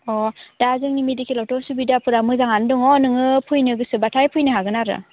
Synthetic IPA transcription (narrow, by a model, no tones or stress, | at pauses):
ɔd̥azɯŋnimedikelɔwtɔsubidapʰɯɾamɯzaŋandɔŋɔnɯŋɯpʰujnɯɡɯsɯbatʰajpʰujnɯɦaɡɯnaɾɯ̰